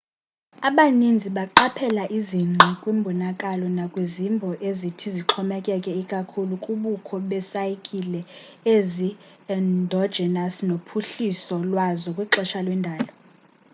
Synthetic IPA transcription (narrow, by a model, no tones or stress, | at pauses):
aɓanind͡zʱiɓaǃapʰɛlaʔiziŋ͡ǀʱikʼwimbʱɔnakʼalɔnakʼwezimbʱɔʔezitʰiziǁʰɔmɛkʼɛkʼɛikʼakʰulukʼuɓukʰɔɓɛsajikʼilɛ | ezi | ɛndʱɔd̥d͡ʒ̥ʱɛnasnopʰuɬisɔlwazɔkʼwiǁɛʃalwɛndʱaːlɔ